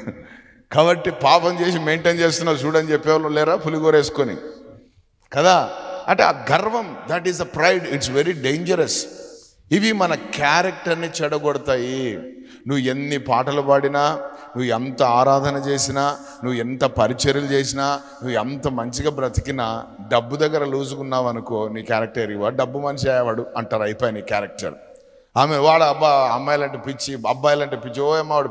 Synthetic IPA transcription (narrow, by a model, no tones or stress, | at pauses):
kaːbɐʈːipaːpɐmt͡ʃe̞ːs̬ime̞jɳʈeːnt͡ʃeːs̬t̪unːaːs̬uːɽɐnit͡ʃepːɛːʋlolɛːɾaːpʰuliɡoːɾeːsu̥konḭ | kɐd̪aːɐ̰ʈḛɡʱɐɾʋɐmd̪ɐʈizɐpɾɐjɖiʈs̬ʋeɾiɖejɲd͡ʒɐɾɐs | iʋimɐnɐkaːɾɐk̚ʈɐɾnit͡ʃɛɽɐɡɔɽut̪aːji | nuʋue̞nːipaːʈɐlupɐːɽinaː | nuʋːent̪ɐaːɾaːd̪ʱɐnɐt͡ʃe̞ːsinaː | nuʋuent̪ɐpɐɾit͡ʃɐɾulut͡ʃeːsinaː | nuʋuent̪ɐmɐɲt͡ʃiɡaːbɾɐt̪i̥kinɐɖɐbːud̪ɐɡːɐɾɐluːzukunːaːʋɐnukoːniːkaːɾɐk̚ʈɐɾiʋaːɾɖɐbːumɐnʃiaːjaʋaːɽuɐɳʈaːɾɐjipoːjɐniːkjaːɾɐk̚ʈɐ̰ɾ | aːmeʋaːɭɐɐbaɐmːɐːjlɐɳʈipit͡ʃːiaːbaːjlɐɳʈepit͡ʃioːɐmːaːʋaːɽu